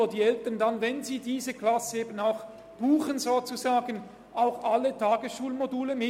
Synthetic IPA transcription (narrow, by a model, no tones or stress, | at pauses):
ɐd̥iːɛltəndanvɛnziːdiːzəklasəeːbənaʊx | b̥uːχənzoːt͡suzaːɡən | ʔaʊxalːətʰaːɡəsʃuːlmoduːləmɪ